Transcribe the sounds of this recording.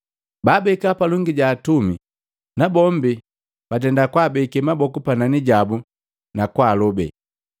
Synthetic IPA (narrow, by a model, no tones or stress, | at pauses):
baːbɛkapalɔŋɡiɟaːtumi | nabɔmbi | b̥at̬ɛndakwaːbɛkɛmabɔkupananiɟabu | nakwaːlɔbɛ̰